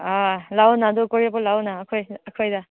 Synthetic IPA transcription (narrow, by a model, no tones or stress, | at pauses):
alawnadokoɾepɔlawnaːkʰojɐkʰojda